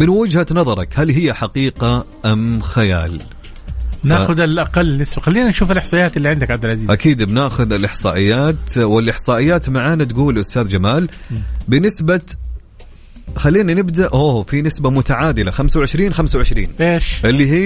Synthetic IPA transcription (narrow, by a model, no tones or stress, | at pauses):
mɪnwɪd͡ʒhanɑðˤɑɾˤɑkhalɦɪjːaħaqiːqa | ʔamxaja̰ːl | naːxʊd̪ɪlʔaqalːnːɪsbaxalːiːnanʃuːfɪlʔɪħsˤɑːjːaːt̪ɪlːiʕɪnd̪akʕabd̪ɪlʕaziːzʔakiːd̪bnaːxʊðɪlʔɪħsˤɑ̰ːʔɪjːaːt̪wɪlʔɪħsˤɑːʔɪjːaːt̪maʕaːnat̪ɡuːlʔʊst̪aːðd͡ʒamaːlbɪnɪsba | xalːiːnanɪbd̪aʔoːfinɪsbamʊt̪aʕaːd̪ɪlaxamsawʕɪʃɾiːnxamsawʕɪʃɾḭːneːʃʔɪlːiɦiː